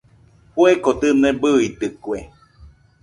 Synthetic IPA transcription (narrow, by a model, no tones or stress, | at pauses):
puekot̪ɨnẽbɨit̪ɨkwe